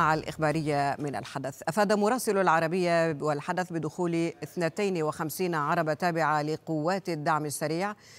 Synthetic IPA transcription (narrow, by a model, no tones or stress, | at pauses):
aʕalʔɪ̰xbaːɾɪjːamɪna̰lħad̪aθʔafaːd̪amʊɾˤɑːsɪlalʕɑɾˤɑbɪjːawɪlħad̪aθbɪd̪ʊxuːlɪθnat̪ajnwɪxamsiːnʕɑɾˤɑbat̪aːbɪʕalɪqʊwːaːt̪ad̪ːaʕmasːaɾiːʕ